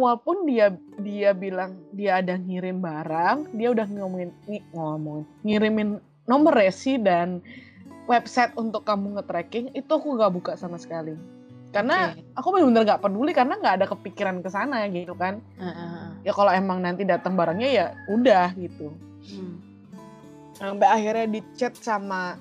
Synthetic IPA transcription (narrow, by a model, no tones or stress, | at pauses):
awalpʊndia | diabilaŋdiaːdaŋiɾɪmbaɾaŋdiaudahŋŋɔmɔɪniŋɔmɔŋn | ŋiɾɪmɪnː | ɔməresidan | wɛp̚sɛt̪̚unt̪ʊkːamuŋət̪ɾɛkɪŋit̪uakuŋɡaʔbukasamasə̥kali | karnaakubəbənərɡaʔpədulikarənaŋɡaːdakəpikiɾankəsanaɡit̪ukan | jakaloemaŋnant̪idat̪əŋbaɾaŋɲajaudahɡit̪u | sampɛahirɲadit͡ʃɛt̪̚sama